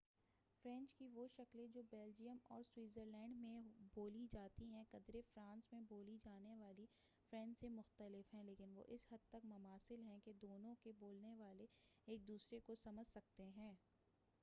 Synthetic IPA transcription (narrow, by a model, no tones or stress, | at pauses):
fɾɛ̃nt͡ʃkiʋoʃɐklẽd͡ʒoːbeːld͡ʒijəmɔ̰ːɾswiːzəɾlɛ̃ːɳɖmẽboːlid͡ʒaːt̪iɦɛ̃kɐd̪ɾefɾãːnsmẽboːlid͡ʒaːneʋaːli | fɾɛ̃ːɳɖsemʊxt̪əlɪfɦɛ̃leːkɪnʋo̰ʔɪsɦɐd̪̚t̪ɐkmɐmaːsɪlɦɛ̃ked̪oːnõkeboːlneʋaːleeːk̚d̪uːsɾekosɐməd͡ʒʱsɐk̚t̪eɦɛ̃ː